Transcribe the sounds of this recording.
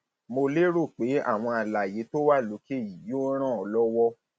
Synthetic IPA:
mo˧le˦ɾo˦˨k͡pe˨˦a̰˦˨w̃ɔ̃˧a˧˨la˨je˨˦to˦wa˦˨lo˨˦ke˦˨ji˨jo˦ɾ̃ã˦˨ɔ˨˧lɔ˦wɔ˦

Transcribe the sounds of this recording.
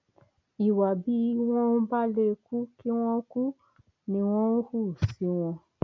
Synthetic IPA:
i˨wa˨bi˨˦w̃ɔ̃˦n̩˦ba˦le˦ku˦ki˦w̃ɔ̃˦ku˦ | nĩ˧w̃ɔ̃˦ñ̩˦hu˦˨si˨˦w̃ɔ̃˧

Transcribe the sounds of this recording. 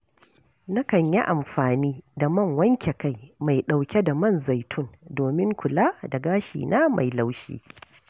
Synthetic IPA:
na˦kɐ˨ɲji˦ʔa˨mɸaː˨niː˦da˨mɐ˦˨ŋwɐ˦ŋkʲe˨ka˦jma˨jɗa˨wkʲe˦da˨mɐ˦˨nza˨jtʰʊ˦ndoː˨mɪ˦ŋkʷʊ˨laː˦da˨ɡaː˦ʃḭː˨nʔaː˦ma̰˨jla˦wʃḭː˦

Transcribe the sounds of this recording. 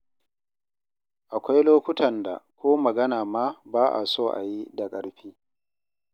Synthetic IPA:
ʔa˨kʷa˦jloː˦kʷʊ˦tɐ˨nda̰˨kʷoː˦mɐ˨ɡɐ˦naː˨maː˦baː˦ʔa̰˨soː˦˨ʔa̰˨ji˦da˨kʼɐ˨ɾɸiː˦

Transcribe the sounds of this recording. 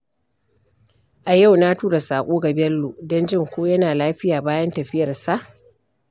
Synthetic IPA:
ʔa˨ja˦˨wnaː˦tuː˦ɾa˨saː˨kʷʼoː˦ɡa˨bɛ˦lːo˨dɔ˦nd͡ʒɪ˦˨ŋkʷoː˦jɐ˦naː˨laː˦ɸɪ˦jaː˨baː˦jɐ˦ntɐ˨ɸɪ˦jɐ˨rsa˦˨ʔ

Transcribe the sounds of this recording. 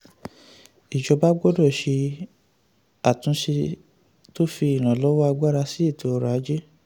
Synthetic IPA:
i˨d͡ʒɔ˧˦ba˦ɡɔ˦dɔ˦˨ʃe˧ | a˨tũ˨˧˦ʃe˧ | to˦fi˧i˨ñã˨lɔ˨˦wɔ˦a˧ɡ͡ba˦ɾa˧si˦i˦˨tʰo˨ɔ˨˧ɾa˨˦d͡ʒe˦

